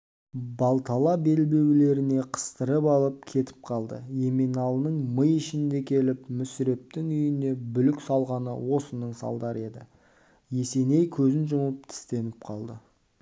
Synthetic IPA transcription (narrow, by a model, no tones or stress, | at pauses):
bɑlˠt̪ʰɑlˠɑbe̞lbe̞wle̞ɾɪne̞qʰə̥st̪əɾəpɑlˠəp̚kʲʰe̞t̪ɪ̥p̚qʰɑlˠd̪ə̰e̞minɑlˠənəɴməjɪʃɪnd̪e̞kʲʰe̞lɪpmʏsɪɾe̞p̚t̪ɪŋʏjɪne̞bʏlɪksɑlˠʁɑnə̰wo̞sənəɴsɑ̰lˠd̪ɑɾəe̞d̪ɪ̰ | je̞se̞ne̞jkʲʰɵzɪnʒʊməp̚t̪ʰɪ̥st̪e̞nɪp̚qʰɑlˠd̪ə